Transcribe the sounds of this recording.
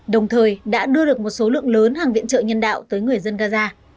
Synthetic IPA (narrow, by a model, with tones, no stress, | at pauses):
ɗə˨˩wŋ͡mt̪ʰəː˨˩jɗa̰ː˧˥ɗɨ˧əɗɨ˨˩ək̚mo˨˩t̚so˨˦lɨ̰˧˨əŋləː˨˦nɦaː˨˩ŋvḭ˧ənt͡ɕə̰˧˨ŋɲə˧nɗa̰ː˧˨wt̪əː˨˦jŋɨ˨˩əjzə˧nɣaː˧zaː˧